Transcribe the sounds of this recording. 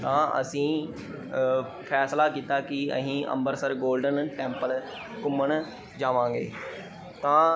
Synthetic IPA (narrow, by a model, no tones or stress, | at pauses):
t̪ãːʔə̰sĩː | fʰɛːslakiːt̪aːkiə̰ɦĩːə̰̃mbəɾsəɾɡoːlɖənʈɛ̃ːmpəl | kʊməɽ̃ | d͡ʒaːʋãːŋɡḛː | t̪ãː